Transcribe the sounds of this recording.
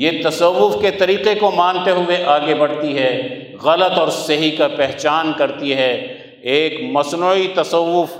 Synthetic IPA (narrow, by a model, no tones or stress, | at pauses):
jet̪ɐsɐʋːʊfket̪ɐɾiːqekomãːnt̪eɦʊeʔaːɡebɐɽ̤t̪iɦɛ | ɣɐlət̪ɔːɾsɐɦikapɛɦt͡ʃaːnkɐɾt̪iɦɛ | eːkmɐsnoit̪ɐsəʋːʊf